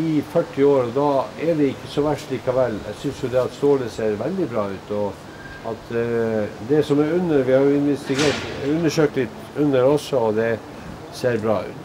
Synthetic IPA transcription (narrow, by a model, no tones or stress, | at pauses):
ɪfœʈːɪoːɾɔd̪ɑɛɖ̪ɛɪkːəsɔʋæʈʂɭiːkɑʋɛlːɛ̰ɡsʏnsjʊd̪ɛɑt̪st̪oːləseːɾʋɛld̪ɪbɾɑːʉːt̪ɔ | ɑt̪ | d̪ɛsɔmɛɾʉnːəɾʋɪhɑɾjʊɪnʋɛst̪ɪɡeːʈʉnːəʂøːk̚t̪lɪt̪ː | ʉnːəɾɔsːɔɔd̪ɛ | seːɾbɾɑ̰ːʉ̰ːt̪